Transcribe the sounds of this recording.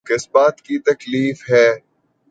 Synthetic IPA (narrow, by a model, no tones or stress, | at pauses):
kɪsbaːt̪kit̪ɐkliːfɦɛː